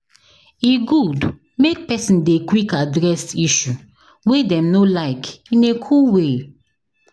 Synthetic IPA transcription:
iɡud | mek̚pɛsĩndekwikadɹɛsiʃu | wedɛ̃mnolaɪkĩnekʰuwe

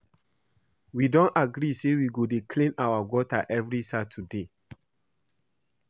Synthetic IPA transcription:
widɔ̃naɡɾisewiɡodekʰlĩnawaɡɔtaʔɛvɹisatʰude

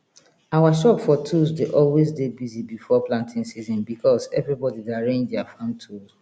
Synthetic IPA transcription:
awaʃɔpfɔtʰuzdeʔɔlwezdebizibifɔplãntʰĩŋsizɔ̃nbikʰɔsɛ̰vɹibɔdidaɹẽndafãʊ̃ntʰus

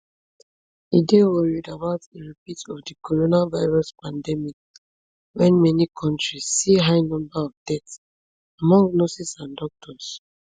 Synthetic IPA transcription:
idewɔɹidabaʊtdeɹipitɔvdikʰoɹonavaɪɹɔspãndɛmik | wɛ̃nmɛnikʰɔ̃ntɹisːiɦaɪnɔ̃mbaɔvdɛts | amɔ̃ŋɡnosisãndɔk̚tʰɔs

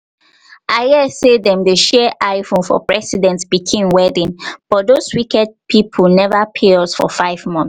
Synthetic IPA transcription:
ʔaɛsedɛ̃mdeʃɛʔaɪfõnfɔ̰pɹɛsidɛ̃ntsb̥ikʰĩnwɛdĩnb̥ɔt̚doswikɛd̚pʰipʰɔlnɛvapʰeɔsfɔ̰faɪvmɔ̃ns

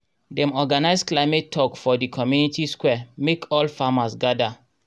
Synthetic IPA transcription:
dɛ̃mɔɡanaɪsklaɪmetʰːɔkfɔdikʰɔmjunitiskwɛmekʰɔlfamasɡada

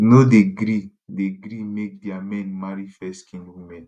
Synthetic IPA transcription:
nodeɡɾi | deɡɾimek̚diamɛ̃nmaɹifɛskʰĩnwimɛ̃n

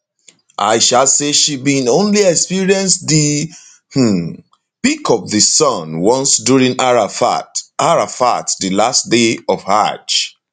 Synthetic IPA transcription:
ʔa̰ɪʃalseʃibĩnõnliɛkspiɹiɛ̃nsdi | h̩ | pikʰɔp̚ðɨsɔ̃nwɔ̃nsdjuɹĩŋaɹafaɹafa̰tdɨlastdeɔv̥ha̰t͡ʃ

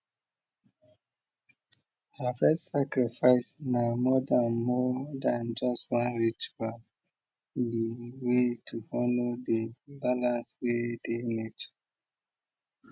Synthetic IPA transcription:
hafɛstsakɾifaɪsnamɔdanmɔdand͡ʒɔstwãnɹit͡ʃual | biwetʰuhɔnodebalãnswedenet͡ʃɔ̥

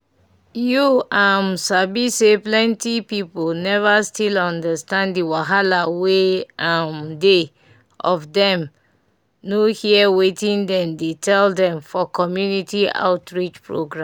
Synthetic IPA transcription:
juamsabiseplɛ̃ntipipolnɛvastilɔ̃ndəstãndiwaɦalaweamde | ɔvdɛ̃m | nohiɛwetĩndɛ̃mdetʰɛldɛ̃mfɔkɔmjunitia̰ʊtɹit͡ʃpɹo̰ɡɹãm

